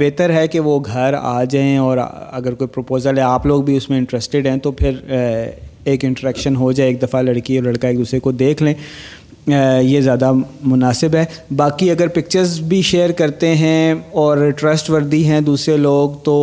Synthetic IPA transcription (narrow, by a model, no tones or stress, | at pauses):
beːt̪əɾɦɛkeʋoɡʱɐɾa̰ːd͡ʒaːẽɔːɾ̰ɐɡəɾkoːipɾopoːzəlɦɛaːploːɡbʱiʊsmẽɪ̃ɳʈɾɛːsʈeɖɦɛ̃t̪opʰɪɾ | eːkɪ̃ɳʈəɾɛːkʃənɦod͡ʒaːeeːk̚d̪ɐfalɐɽkiɔːɾlɐɽkaeːk̚d̪uːsɾekod̪eːkʰlẽː | jezjaːd̪amʊnaːsɪbɦɛːbaːkiɐɡəɾpɪk̚t͡ʃəɾzbʱiʃeːəɾkɐɾt̪eɦɛ̃ɔːɾʈɾɐsʈʋɐɾd̪iɦɛ̃d̪uːsɾeloːɡt̪oː